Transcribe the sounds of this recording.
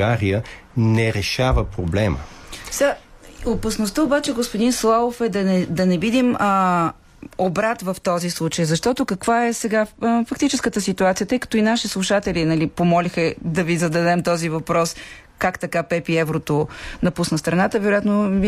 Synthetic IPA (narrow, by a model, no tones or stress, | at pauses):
aɾijə | nɛɾɛʃavəpɾoblɛmə̰saopɐsnost̪əobat͡ʃɛɡospod̪inslˠaofɛd̪ɐnɛd̪ɐnɛvid̪imə | obɾat̪vɐft̪ɔzislˠut͡ʃəjzɐʃt̪ɔt̪ʊkɐkvaɛsɛɡafɐk̚t̪it͡ʃɛskət̪əsit̪uat̪sijət̪ɤjkə̥t̪oinaʃislˠuʃat̪ɛlinɐlipomɔlixəd̪ɐvizɐd̪ɐd̪ɛmt̪ɔzivɐpɾɔs | kakt̪ɐkapɛpiɛvɾot̪onɐpusnəst̪ɾɐnat̪əvɛɾʊjat̪no